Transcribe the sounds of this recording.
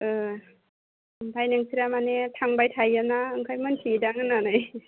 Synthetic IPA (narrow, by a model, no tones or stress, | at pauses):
ɯ | bʰajnɯŋsʰiɾamanetʰaŋbajtʰajanaɯŋkʰajmɯnsʰidaŋɯnanɯj